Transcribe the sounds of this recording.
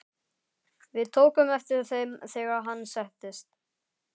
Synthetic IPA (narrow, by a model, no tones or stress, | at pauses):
vɪðt̪ʰoːwkʏmɛft̪ɪɾθejmθɛːɣaɦanːsɛht̪ɪst̪